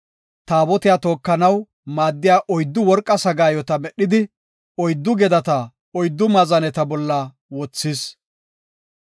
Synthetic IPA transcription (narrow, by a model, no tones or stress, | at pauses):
t̪aːbɔt̪ɪjaːt̪o̞ːkːɐnɐw | maːd̪ːɪjaːʔɔjd̪ːʊwɔɾkʼːɐsɐɡaːjɔt̪ɐmɛɗːɪd̪ɪ | ɔjd̪ːʊɡɛd̪ɐt̪ɐ | ɔjd̪ːʊmɐzɐnɛt̪ɐbɔlːɐ | wɔt͡sːɪs